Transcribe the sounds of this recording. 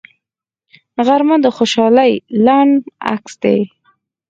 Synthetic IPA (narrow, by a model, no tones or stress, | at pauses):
ɣaɾmad̪əxoʃɑlajlaɳɖa̰ksd̪ḛ